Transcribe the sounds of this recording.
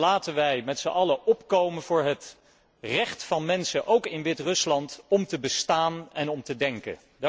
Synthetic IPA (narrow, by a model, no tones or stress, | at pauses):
laːtənʋɛjmɛtsəʔɑləʔɔpkowmənvʊːɹɦət | rɛχtfɑnmɛnsəʔowkɪnʋɪtrɵslɑntɔmtəbəstaːnɛnɔmtədɛŋkə̰ | d